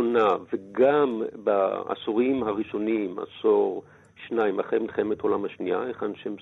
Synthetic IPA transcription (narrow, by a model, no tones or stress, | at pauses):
onaveɡamba̰a̰soʁimhaʁiʃo̞nima̰soʁ | ʃnaimaχemilχemeto̞lamhaʃnia̰eχanʃem